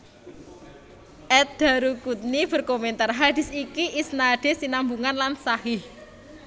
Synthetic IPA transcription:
ʔɛt̪̚d̪̥a̤ɾukut̪̚nib̥ə̤rkoment̪arɦad̪̥i̤sikiʔisnaɖ̥e̤sinambuŋanlansahɪh

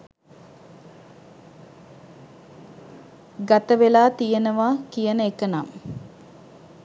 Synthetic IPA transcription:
ɡat̪əʋelaːt̪ijənəʋaːkijənəekənam

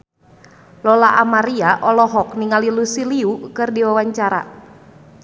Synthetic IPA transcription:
lɔlaʔamaɾiaʔɔlɔɦɔkniŋalilusiliukɨrdiwawaɲt͡ʃaɾa̰

